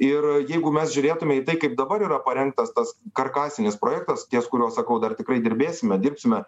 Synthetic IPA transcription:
ɪrjɛɪɡʊmʲɛsʒʲʊɾʲeːt̪ʊmʲɛit̪ɐɪkɐɪp̚d̪ɐbɐɾiːɾɐpɐɾʲɛŋk̚t̪ɐst̪ɐskɐrkɑːsʲɪnʲɪspɾoːjɛkt̪ɐst̪ʲiɛskʊɾʲuɔssɐkɐʊd̪ɐrt̪ʲɪkɾɐɪd̪ʲɪɾʲbʲeːsʲɪmʲɛd̪ʲɪrʲpʲsʲɪmʲɛ

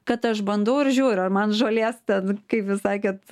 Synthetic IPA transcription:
kɐt̪ɐʃbɐnd̪ɐʊɪrʒʲuːɾʲɐrmɐnʒoːlʲeːst̪ʲɛnkɐɪpʋʲɪsɑɪkʲɛt̪

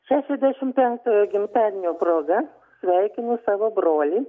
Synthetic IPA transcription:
ʃʲæːʃʲɛzʲd̪ʲæʃʲɪmpʲɛŋk̚t̪oːjoːɡʲɪmʲt̪ʲɑːnʲnʲoːpɾoːɡɐ | sʲʋʲɛɪkʲɪnʊsɑːʋoːbɾoːlʲiː

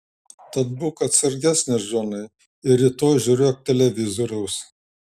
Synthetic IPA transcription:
t̪ɐt̪̚bʊkɐt̪sɐɾʲɡʲæsʲnʲɪʒoːnɐɪ | ɪɾʲit̪oːjʒʲuːɾʲoːk̚t̪ʲɛlʲɛʋʲɪzoːɾʲɛʊs

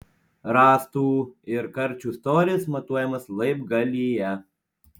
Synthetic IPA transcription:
ɾɑːst̪uːɪɾkɐɾʲt͡ʃʲuːst̪oːɾʲɪɛsmɐt̪uɔjɛmɐslˠɐɪpɡɐlʲijɛ

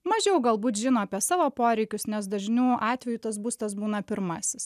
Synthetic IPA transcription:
mɐʒʲɛʊɡɐlˠbuːt̪ʒʲɪnoːɐpʲiɛsɑːʋoːpoːɾʲɛɪkʲʊsnʲɛs̬d̪ɐʒʲnʲuːʔɑːt̪ʲʋʲɛjut̪ɐs̬buːst̪ɐs̬buːnɐpʲɪɾmɐsʲɪs

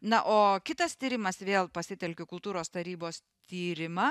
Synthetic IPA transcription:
nɐʔoːkʲɪt̪ɐst̪ʲiːɾʲɪmɐsʋʲeːlˠpɐsʲɪt̪ʲɛlʲkʲʊkʊlˠt̪uːɾoːst̪ɐɾʲiːboːs | t̪ʲiːɾʲɪmɐ

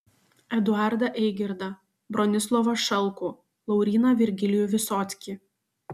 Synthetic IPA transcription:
ɛd̪ʊɑɾd̪ɐʔɛɪɡʲɪɾd̪ɐ | bɾɔnʲɪs̬lˠɔʋɐʃɐlˠkuː | lˠɐʊɾʲiːnɐʋʲɪɾʲɡʲɪlʲɪjʊʋʲɪsɔːt̪sʲkʲi

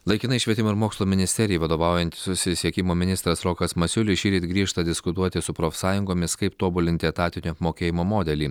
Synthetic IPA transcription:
lˠɐɪkʲɪnɐɪʃʲʋʲiɛt̪ʲɪmoɪɾmoːkslˠoːmʲɪnʲɪsʲt̪ʲɛɾʲɪjːʋɐd̪oːʋɑˑʊjɛnʲt̪ʲsʊsʲɪsʲiɛkʲɪmoːmʲɪnʲɪst̪ɾɐsɾɔːkɐsmɐsʲʊlʲɪʃʲiːɾʲiːt̪ʲɡɾʲiːʃt̪ɐd̪ʲɪskʊt̪uɔt̪ʲɪsʊpɾoːfʲsɑːjʊŋɡoːmʲɪskɐɪpt̪oːbʊlʲɪnt̪ʲɪɛt̪ɑːt̪ʲɪnʲuɐpmoːkʲeːjɪmoːmoːd̪ʲɛlʲiː

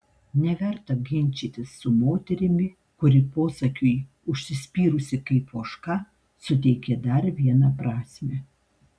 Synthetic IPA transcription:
nʲɛʋʲɛɾt̪ɐɡʲɪnʲt͡ʃʲiːt̪ʲɪsːʊmoːt̪ʲɛɾʲɪmʲɪ | kʊɾʲɪpoːsɐkʲʊj | ʊʃʲsʲɪsʲpʲiːɾʊsʲɪkɐɪpoːʃkɑː | sʊt̪ʲɛɪkʲɛd̪ɐɾʋʲiɛnɑpɾɑːsʲmʲe

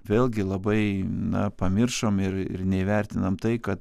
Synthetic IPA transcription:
ʋʲeːlˠʲɡʲɪlˠɐbɐɪnɐpɐmʲɪrʃomɪɾɪ̰rnʲɛiʋʲærʲt̪ʲɪnɐmt̪ɐɪkɐt̪

